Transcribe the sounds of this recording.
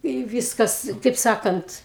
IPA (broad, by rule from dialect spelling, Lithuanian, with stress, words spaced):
ɪ ˈʋʲiːskɐs tɐɪp ˈsɑːkɐnt